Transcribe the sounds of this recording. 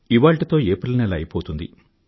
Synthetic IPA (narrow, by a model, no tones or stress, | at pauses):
iʋaːɭʈit̪o̞ːeːpɐɾlɐnɐlɐ̰jipoːt̪und̪ḭ